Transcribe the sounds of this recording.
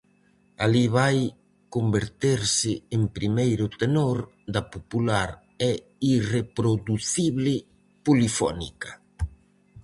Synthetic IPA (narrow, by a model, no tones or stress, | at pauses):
aliβaj | kombeɾt̪eɾsɪempɾimejɾʊt̪enoɾ | d̪apopulaɾ | ɛ | irepɾoðuθiβlɪ | pulifɔ̰nḭkɐ